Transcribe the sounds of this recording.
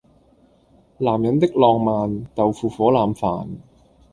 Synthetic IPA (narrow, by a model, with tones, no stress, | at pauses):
laː˨˩mjɐ˨˥nt̪ɪ˥k̚lɔː˧ŋmaː˨˧nt̪ɐ˨wfuː˨˩fɔː˨˥laː˨˩mfa̰ː˨˩n